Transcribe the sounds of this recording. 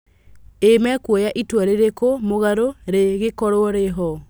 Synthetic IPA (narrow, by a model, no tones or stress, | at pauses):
emɛkwɔjaʔitwaɾeɾekomoɣaɾoɾeɣekɔɾoɔɾeɦɔ